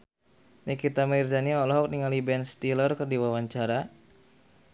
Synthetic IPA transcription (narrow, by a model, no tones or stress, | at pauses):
nɛkit̪amirzaniɔlɔɦɔk̚niŋalibɛnst̪ilɔrkɨrdiwawaɲt͡ʃaɾa